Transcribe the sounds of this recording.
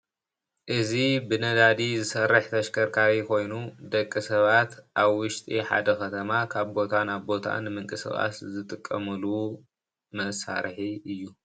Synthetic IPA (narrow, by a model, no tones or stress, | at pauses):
ʔɨzibɨnɐd̪ad̪izɨsɐrːɨħt̪ʰɐʃkʰɐɾkʰaβikʰo̞jnud̪ɐkʼːisɐβat̪ʔaβwʊʃt̪ʼiħa̰d̪ɐkʰɐt̪ʰɐmakʰaβbo̞t̪ʰanaβbo̞t̪ʰa̰nɨmɨŋkʼɨsɐ̰ɣʼa̰t̪zɨt̪ʼɨkʼːɐmɨlu | mɐʔsa̰ɾħiɨjːu